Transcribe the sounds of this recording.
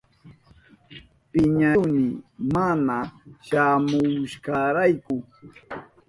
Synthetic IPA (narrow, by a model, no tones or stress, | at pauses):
pɪɲawmɪmanaʃamʊʃkɑɾajkʊ